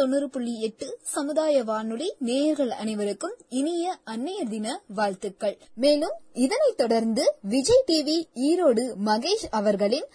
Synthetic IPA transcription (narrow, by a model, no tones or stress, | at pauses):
ɔnːɯɾɯpʊɭːiɛʈːɯsɐmɯðaːjɐʋaːnɯɭineːɐɾɣɐɭɐ̰nɐɪʋɐɾɯkːɯmɪnɪjɐʔɐnːɐjɐɾðɪnɐʋaːɻt̪ɯkːɐɭmeːlɯmɪðɐnɐɪt̪ːɔɽɐɾnd̪ɯʋɪd͡ʒɐɪʈiːʋiiːɾoːɽɯmɐɣeːd͡ʒɐʋɐɾɣɐɭɪn